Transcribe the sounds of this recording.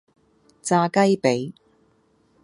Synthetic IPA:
t͡saː˧kɐ˥jpe˨˥j

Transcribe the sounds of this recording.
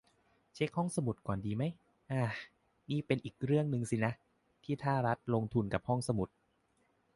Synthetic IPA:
t͡ɕʰe˦˥k̚hɔ˥˩ŋsa˧mu˨˩t̪̚kɔː˨˩ndiː˧ma˦˥j | ʔaː˧˩ | niː˥˩pe˧nʔiː˨˩k̚ɾɯ˥˩əŋnɯ˧ŋsi˧˩na˦˥ʔ | t̪ʰiː˥˩t̪ʰaː˥˩ɾa˦˥t̪̚lo˧ŋt̪ʰu˧nka˨˩p̚hɔ˥˩ŋsa˧mu˨˩t̪̚

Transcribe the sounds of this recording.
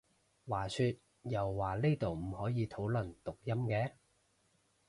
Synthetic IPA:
waː˨˩syː˧t̚ | jɐ˨wːaː˨˩leː˥t̪o˨wm̩˨˩hɔː˨˥jiː˨˧t̪ʰo˨˥wlɵ˨˩nt̪ʊ˨k̚jɐ˥mkɛː˨˥

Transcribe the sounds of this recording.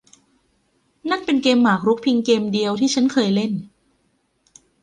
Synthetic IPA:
na˦˥k̚pe˧nkeː˧mːaː˨˩k̚ɾu˦˥k̚pʰi˧ŋkeː˧mdi˧əwt̪ʰiː˥˩t͡ɕʰa˦˥nkʰɤː˧jle˥˩n

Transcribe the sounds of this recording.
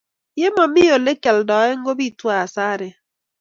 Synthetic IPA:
je˦mɔ˨mi˦jo˨le˦kɛ˨ldɔː˨e˦ŋ̩˦ɡo˦bi˦˨twa˨a˨saː˦ɾe˨

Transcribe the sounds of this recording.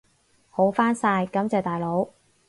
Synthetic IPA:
ho˨˥wfaː˥nsaː˧jkɐ˨˥mt͡sɐ˨wt̪aː˨˩jlo˨˥w

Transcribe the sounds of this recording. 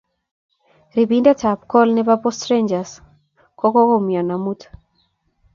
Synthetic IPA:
ri˨bi˦nda˦ta˨p̚kɔ˦lnɛ˦pa˦pɔ˦stɾend͡ʒa˨s | kɔ˦kɔ˦kɔ˦mjɔ˨na˨mu˦tʰ

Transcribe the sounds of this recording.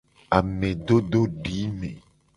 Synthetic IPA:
a˨mẽ˨ɖo˦ɖo˦ɖi˨˦mḛ̃˨

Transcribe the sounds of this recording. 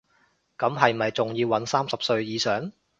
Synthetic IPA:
kɐ˨˥mɦɐ˨jm̩˨ɐ˨jt͡sʊ˨ŋjiː˧wːɐ˨˥nsaː˥msɐ˨p̚sɵ˧ɥjiː˨˧sœː˨˥ŋ

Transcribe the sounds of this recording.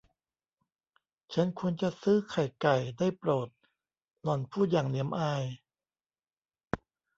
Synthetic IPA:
t͡ɕʰa˦˥nkʰu˧ənt͡ɕa˨˩sɯː˦˥˩kʰa˨˩jka˨˩jdaː˥˩jpɾoː˨˩t̪̚ | lɔ˨˩npʰuː˥˩jaː˨˩ŋni˨˦əmʔaː˧j

